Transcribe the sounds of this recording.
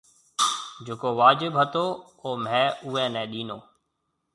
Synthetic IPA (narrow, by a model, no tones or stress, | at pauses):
d͡ʒʊkoːʋaːd͡ʒɪbɦət̪oː | oːmɛ̃ːuːɛ̃ːnɛ̃ːɗiːnoː